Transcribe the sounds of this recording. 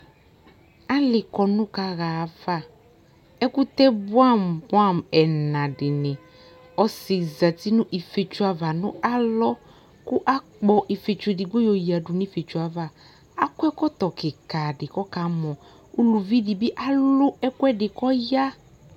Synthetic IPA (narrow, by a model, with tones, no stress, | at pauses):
a˦lɪ˨kɔ˨nʊ̃˦ka˨ɣa˨v̥a˦ | ɛ˦kʊ˦t̪ɛ˦bʊ˦a˦˨mbʊ˦a˦˨mɛ˨nã˨dɪ˨nɪ̃˨ | ɔ˦sɪ˨za˨t̪ɪ˦nʊ̃˦ʔi˨fe˨t͡ʃu˨˦a˨va˨nʊ̰̃˦a˦lɔ˦ | kʊ˦ʔa˦k͡pɔ˨ʔi˨fe˨t͡ʃe˨dɪ˨ɡ͡bo˦jɔ˨ji˨a˨dʊ˨ni˦fe˨t͡ʃu˨a˨va˨ | a˦kɛ˦kɔ˦t̪ɔ˨kɪ˨ka˨dɪ˨kɔ˦ka˨mɔ̃˨ | u˦lu˨vi˦di˨bɪ˦ʔa˦lʊ˦ɛ˦kʊ˦ɛ˦dɪ˨kɔ˦ja˦